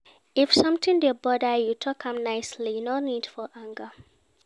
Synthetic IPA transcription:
ifsʌ̃mtĩndebɔdəjutʰɔkãmnaɪslijnonid̥fɔʔãŋɡə

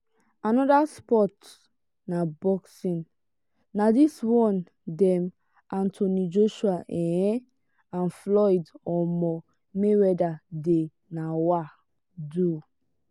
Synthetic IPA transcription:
anɔdaspɔt | nabɔksĩn | nadiswɔ̃n | dɛm | ãntʰonid͡ʒoʃuaʔɛ̃ɛ | ãnflɔjdɔmɔ | mewɛdade | nawa | du

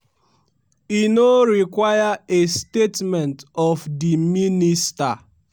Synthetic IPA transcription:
inoɾikwajaestetmɛ̃ntɔfdiminista

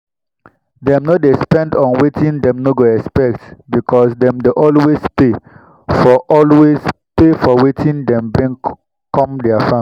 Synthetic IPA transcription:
dɛ̃mnodespɛ̃ndɔ̃nwetĩndɛ̃mnoɡoɛkspɛk̚tbikʰɔsdɛ̃mdeʔɔlwespe | fɔʔɔlwespefɔwetʰĩndɛ̃mbɹĩŋ | kɔ̃mdɛafãm

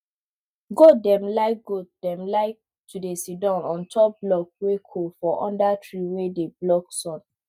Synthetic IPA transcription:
ɡodɛ̃mlaɪɡodɛ̃mlaɪ | tudesidɔ̃nɔ̃ntʰɔp̚blɔk̚wekʰofɔʔɔ̰̃ndatɹiwedeblɔksɔ̃n

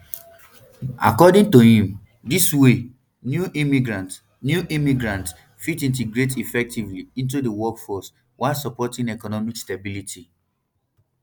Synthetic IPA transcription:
a̰kɔdĩŋtohĩm | diswe | njuʔimiɡɹãnt | njuʔimiɡɹãnts | fitĩnt̬iɡɹet̬ifɛk̚tivliĩnt̬udəwɔkfɔs | waɪsɔpɔtĩnɛkɔnɔmikstabilitʰi

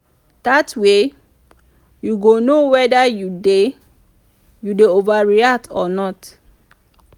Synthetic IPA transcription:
d̥atwe | juɡonowɛdajude | judeovaɹiatʰɔ̰nɔt

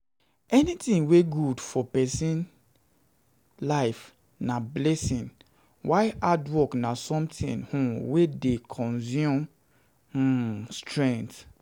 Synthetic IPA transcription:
ɛnitĩŋweɡudfɔpɛsĩn | laɪf | nablɛsĩn | wʔaɪʔadwɔknasɔ̃mtḭ̃nhũwedekʰɔ̃nzjũm | hustɹɛ̃nt

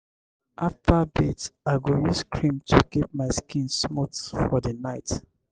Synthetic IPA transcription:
ʔaftʰabetaɪɡojuskʰɹĩmtʰukip̚maɪskĩnsmotfɔdənaɪt

